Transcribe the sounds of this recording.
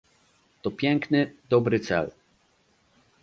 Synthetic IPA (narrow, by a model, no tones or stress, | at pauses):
t̪ɔpʲjɛŋknɘd̪ɔbɾɘt̪sɛ̰l